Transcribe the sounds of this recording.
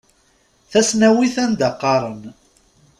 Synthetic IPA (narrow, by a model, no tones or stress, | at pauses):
θæsnæwiθænd̪aqːɑɾˤən